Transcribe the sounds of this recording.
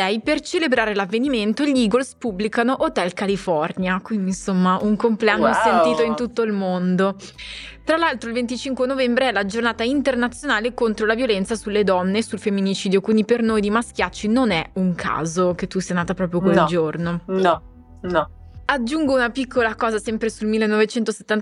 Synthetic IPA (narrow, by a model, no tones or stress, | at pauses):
ɛjpert͡ʃelebɾaːɾelavːeniment̪oʎiːɡolspubːlikanoʔot̪ɛlkalifɔrnjakwind̪insomːaʔuŋkompleanːosent̪iːt̪oint̪ut̪ːoilmond̪o | t̪ɾalːalt̪ɾoilvent̪̬it͡ʃiŋkwenovɛmbɾeɛlad͡ʒornaːt̪aint̪ernat̪sːjonaːlekont̪ɾolavjolɛnt̪sasulːed̪ɔnːesulfemːinit͡ʃiːd̪jokwind̪ipernoːjd̪imask̟jat͡ʃːinonɛuŋkʰa̰ːzok̟et̪ːusɛjanaːt̪apɾɔːp̬ɾjokweld͡ʒornon | n | ad͡ʒːuŋɡounapikːolakɔːzasɛmpɾesulmilːenːɔvet͡ʃɛnt̪ose̥t̪ːan